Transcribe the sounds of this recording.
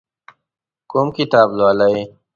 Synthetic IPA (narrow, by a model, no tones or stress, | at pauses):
komkit̪aːblwaːlɐe